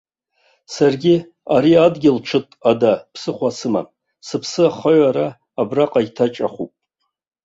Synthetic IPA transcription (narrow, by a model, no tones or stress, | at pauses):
sarɡʲɪ | aɾiadɡʲɪlʈ͡ʂʰɨtʼadapʰsɨχʷasɨma̰ | sɨpʰsɨaχaɥaɾaː | braqʼaɡʲtʰat͡ʃʼaχupʼ